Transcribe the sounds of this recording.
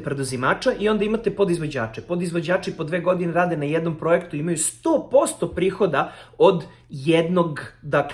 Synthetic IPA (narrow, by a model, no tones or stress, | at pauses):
pɾed̪uzimaːt͡ʃaʔio̞nd̪aimat̪epod̪izʋo̞d͡ʑa̰ːt͡ʃepo̞d̪izʋod͡ʑaːt͡ʃipo̞d̪ʋe̞ːɡo̞d̪ineɾaːd̪enajɛd̪no̞mpɾo̞e̞kt̪uimajust̪oːpo̞st̪o̞pɾiːxo̞d̪aod̪ | jɛd̪no̞ɡd̪ak